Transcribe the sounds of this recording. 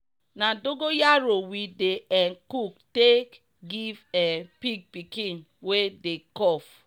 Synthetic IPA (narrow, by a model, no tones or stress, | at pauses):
nadoɡojaɾowideʔɛnkuktek | ɡivɛpiɡ̚pikĩn | wedekɔf